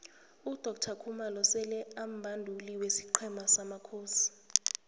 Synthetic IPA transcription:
ud̥ʱɔk̚tʰakʰumalɔsɛlɛam̩bʱandʱuliwesiǃʰɛmasamakʰoːsi̥

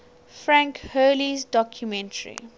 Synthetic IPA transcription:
fɹãŋkhɜːlizdɔkʰjumɛ̃ntʰəɹḭ

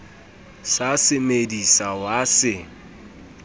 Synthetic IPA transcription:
sasɪmedisawasɪ

